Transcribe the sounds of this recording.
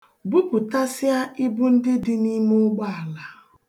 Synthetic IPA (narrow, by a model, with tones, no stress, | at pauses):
ɡ͡bu˦pʊ˨ta˦sɪ˦a˦ɪ˦bu˦n̩˦dɪ˦dɪ˦ni˦mʊ˦ɡ͡ba˦a˨la˨